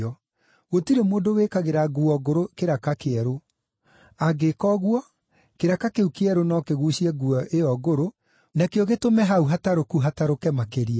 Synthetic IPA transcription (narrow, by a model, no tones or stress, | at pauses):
ɔ | ɣotiɾemoːndowekaɣeɾaɡuɔɣoɾokeɾakakeɛɾo | aɡekɔɣwɔ | keɾakakeukeɛɾonɔkeɣuʃiɛɡuɔʔeɔɣoɾo | nakeɔɣetomɛɦauɦataɾokuɦataɾokɛmakeɾia